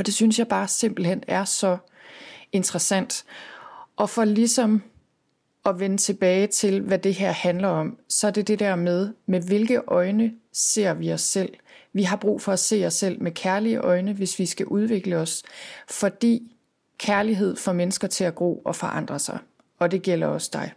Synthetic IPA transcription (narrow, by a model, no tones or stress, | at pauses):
ɒd̥e̝synsjɑ̈ɪb̥ɑ̈ːse̝m̰b̥l̩henæɐsɒ̽ | e̝nd̥ʁɐsæn̰d̥ | ʔɒ̽fɒ̽lisɒ̽m | ɒ̽ʋenət͡sʰe̝b̥ɛːɪt͡sʰe̝lʋæd̥e̝ɦeɐ̰hænlɐɒ̽msɒ̽æɐd̥e̝d̥e̝d̥æɐmeð̞ˠmeʋe̝lɡ̥əʔɒ̽ɪnəse̝̰ɐ̰ʋiɒ̽sːel̰ʋiɦɑ̈b̥ʁṵːfɒ̽æse̝̰ːɒ̽sel̰mekʰæɐliəʔɒ̽ɪnəʋe̝sʋisɡ̥æʔuð̞ˠʋe̝ɡ̥ləɒ̽sfɒ̽d̥ḭː | kʰæɐliɦe̝ð̞̰ˠfɒmenəsɡ̥ɐt͡sʰe̝æɡ̥o̝̰ːɒ̽fɒ̽ʔɑ̈n̰d̥ʁɐsɑ̈ɪ | ɒ̽d̥e̝ɡ̥el̰ɐɒ̽sd̥ɑ̈ɪ